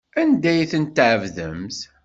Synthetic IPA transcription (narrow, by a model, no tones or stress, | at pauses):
ænd̪æjθənt̪ːʕəvðə̰mz